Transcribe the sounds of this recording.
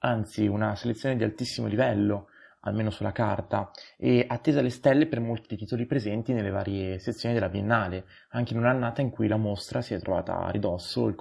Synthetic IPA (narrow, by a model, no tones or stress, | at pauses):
ant̪siunaselet̪sːjoːned̪ialt̪isːimolivɛlːo | a̰lmeːnosulːakart̪aɛat̪ːeːzalest̪ɛlːepermolt̪iit̪iːt̪olipɾezɛnt̪inelːeva̰ːɾjeset̪sːjoːnid̪elːabjenːaːle | aŋk̟einunanːaːt̪aiŋkujlamost̪ɾasiɛt̪ːɾova̰ːt̪a̰rid̪ɔsːo̰ilk